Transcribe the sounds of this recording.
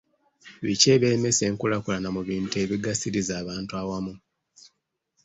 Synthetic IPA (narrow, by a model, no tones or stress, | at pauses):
βice̞ːβe̞me̞se̞ːŋkulakulanamuβiːntue̞βiɡasiɾizaːβaːntuawamu